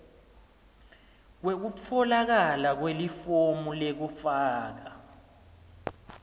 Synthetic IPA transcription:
k̬wek̬ut͡fʰɔlak̬alak̬welifomulek̬ufaːk̬a

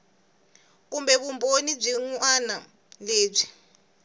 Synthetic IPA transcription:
k̬umbɛβumbʱonib͡ʐiŋuana | leːb͡ʐi

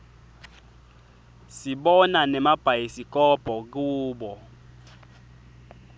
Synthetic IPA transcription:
siɓɔnanɛmab̥ʱaisikʼɔb̥ʱɔk̬ʼuːɓɔ

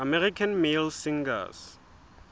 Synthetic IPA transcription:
amɛrikʰanmilsĩŋɡa̰s

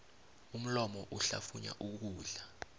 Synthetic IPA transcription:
um̩lɔmɔʔuɬafuɲa̰ʔuk̬uːɮa

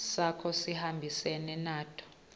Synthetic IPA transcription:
sakʰɔsihambʱisɛnɛnaːtʰɔ̥

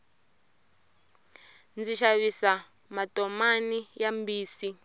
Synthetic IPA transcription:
nd͡ziʃaβisa | matɔmanijambiːsi

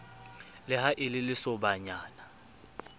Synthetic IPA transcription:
lɪhaʔɪlɪlɪsɔbaɲaːna

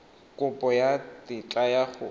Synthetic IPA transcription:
kʼʊpʼɔjatit͡ɬʼajaχʊ

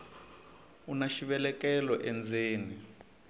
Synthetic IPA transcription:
unaʃiβɛlɛkɛlɔʔɛnd͡zʱeːni

